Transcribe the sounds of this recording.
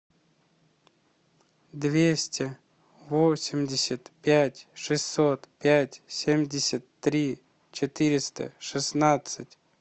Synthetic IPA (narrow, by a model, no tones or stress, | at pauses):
d̪vʲesʲtʲɪ | vosʲɪmʲdʲɪsʲət̪pʲætʲʂɨsʲːot̪pʲætʲsʲemʲdʲɪsʲət̪ːɾʲi | t͡ɕɪt̪ɨɾʲɪst̪ə̰ʂɨsnat̪sɨtʲ